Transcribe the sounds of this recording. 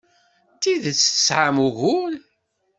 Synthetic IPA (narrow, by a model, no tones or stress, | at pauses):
t̪ːiðət͡sːə̥sʕamuʝʊl